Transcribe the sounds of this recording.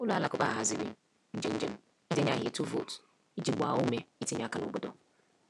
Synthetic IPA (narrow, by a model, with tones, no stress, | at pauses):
ʊ˦lu˨a˨la˨kʊ˨ba̰˦˨ɦa˨zi˨ɾḭ˦ | n̩˦d͡ʒe˨˦n̩˦d͡ʒe˦m̩˦ | i˦de˦ɲa˦ɦi˨tu˦vo̰˨t | i˦d͡ʒi˨ɡ͡ba̰˨o˦me˦i˦te˦ɲa˦ka˨nʊ̰˨bo˦do̰˦